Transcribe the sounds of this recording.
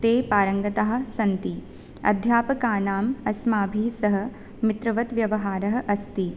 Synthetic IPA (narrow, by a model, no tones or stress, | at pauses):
t̪eːpaːɾɐŋɡɐt̪aɦɐ̆sɐnt̪i | ɐ̰d̪ʱjaːpɐkaːnaːmɐsmaːbʱiːsɐɦɐ̆ | mit̪ɾɐʋɐt̪ʋjɐʋɐɦaːɾɐɦɐ̆ʔɐst̪i